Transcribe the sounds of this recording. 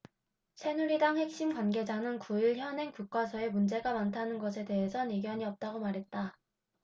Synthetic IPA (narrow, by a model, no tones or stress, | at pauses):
t͡ɕʰe̞nuɾidaŋhe̞k̚ɕ͈imɡwanɡe̞d͡ʑanɯnkuiɭçjʌne̞ŋkuk̚k͈wasʰʌe̞mund͡ʑe̞ɡamantʰanɯnɡʌsʰe̞de̞ɦe̞sʰʌniɡjʌɲiʌp̚t͈aɡomaɾɦe̞t̚t͈a